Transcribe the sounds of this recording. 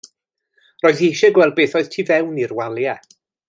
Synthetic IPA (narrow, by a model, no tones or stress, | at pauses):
roːɨðejʃɛɡwɛlˠd̚beːθɔɨð̥tʰiːvɛwnirwalˠjɛ